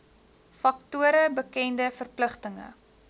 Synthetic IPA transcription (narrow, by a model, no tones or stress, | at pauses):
fɐktuəɾəbəkɛndəfərpləχtəŋə̰